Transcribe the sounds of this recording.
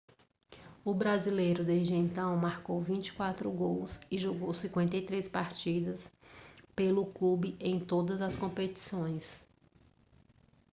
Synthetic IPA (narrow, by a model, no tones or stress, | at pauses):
ʊbɾazilejɾʊd̪ezd͡ʒɪẽnt̪ɐ̃w̃maɾkowvĩt͡ʃi̥kwat̪ɾʊɡowsɪʒoɡowsĩkwẽnt̪ejt̪ɾespaɾt͡ʃid̪ɐspelʊklubɪʔẽj̃t̪od̪ɐzɐskõpet͡ʃi̥sõj̃s